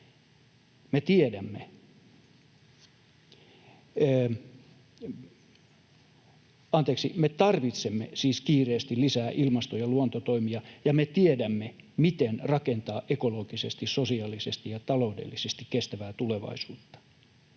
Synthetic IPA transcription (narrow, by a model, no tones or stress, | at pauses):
met̪iedæmːe | ɑnt̪eːksḭmet̪ɑrʋit̪semːḛsiːskiːreːst̪ilisæːʔilmɑst̪ojɑluont̪ot̪oimiɑjɑmet̪iedæmːe | mit̪enrɑkent̪ɑːʔekoloɡ̥isest̪issosiɑlisest̪ijɑt̪ɑloudḛlːisest̪ikkest̪æʋæːt̪uleʋɑ̰isuːt̪ːɑ̥